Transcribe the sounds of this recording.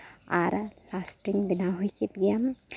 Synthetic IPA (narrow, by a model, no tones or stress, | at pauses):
a̰ɾlasʈɾiŋbinaɦujkit̪ɡijam